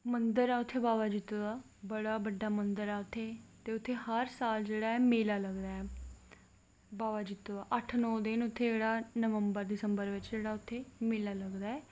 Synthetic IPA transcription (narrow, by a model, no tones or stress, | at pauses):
mənd̪əɾɛːʊt̪ʰːeːbaːʋaːd͡ʒɪt̪ːoːaː | bəɽaːbəɖːaːmənd̪əɾɛːʊt̪ʰːeːt̪eːʊt̪ʰːeːhəɾsaːld͡ʒeːɽaːɛmeːlaːləɡd̪aːɛː | baːʋaːd͡ʒɪt̪ːoaːʔəʈʰnɔːd̪ɪnʊt̪ʰːeːd͡ʒeːɽaːnəʋəmbəɾd̪ɪsəmbəɾʋɪt͡ʃd͡ʒeːɽaːʊt̪ʰːeːmeːlaːləɡd̪aːɛː